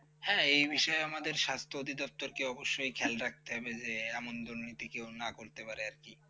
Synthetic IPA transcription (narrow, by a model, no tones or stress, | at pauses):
hɛ̃ejbiʃɔeamad̪eɾʃast̪ʰood̪ʱid̪ɔp̚t̪oɾkeɔboʃːojkʰɛlɾak̚t̪eɦɔbed͡ʑeɛmond̪uɾnit̪ikewnakoɾt̪epaɾeaɾki